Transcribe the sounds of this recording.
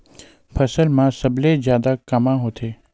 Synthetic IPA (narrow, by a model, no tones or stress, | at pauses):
pʰəsəlmãsəbled͡ʒjaːd̪akamãɦot̪ʰeː